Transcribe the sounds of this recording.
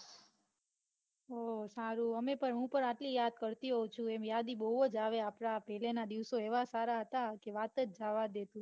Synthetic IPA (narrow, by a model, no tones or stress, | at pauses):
osaɾuəmepəɳɦũpəɳaʈlijad̪̚kəɾt̪iɦot͡ʃʰũemjad̪ibəɦəd͡ʒaʋeapɳapɛɦlenad̪iʋsoeʋasaɾaɦət̪akeʋat̪ət͡ʃd͡ʒaʋad̪et̪ũ